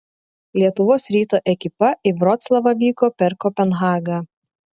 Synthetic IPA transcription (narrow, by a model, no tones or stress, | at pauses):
lʲiɛt̪ʊʋoːsɾʲiːt̪oːʔɛkʲɪpɐibɾɔt̪slˠɐʋɐʋʲiːkoːpʲɛɾkɔpʲɛnɣɑːɡɐ